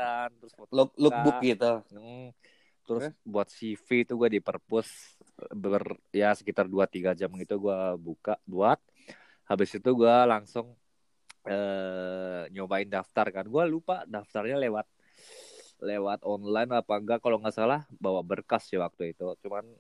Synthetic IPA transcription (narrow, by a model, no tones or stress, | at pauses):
ant̪əɾʊsbut̪lklʊbʊɡit̪u | t̪əɾʊsbuat̪̚sifiːt̪uɡuadipərpʊs | bərjasə̥kit̪arduat̪iɡad͡ʒamɡit̪uɡuabukabuat̪̚ | habɪsit̪uɡualaŋsʊŋ | əː | ɲobaɪndaft̪arkanɡualupadaft̪arɲalewat̪̚ | lewat̪̚ɔnlajnapaŋɡaʔkaloŋɡaʔsalahbawabərkasdiwak̚t̪uit̪ut͡ʃuman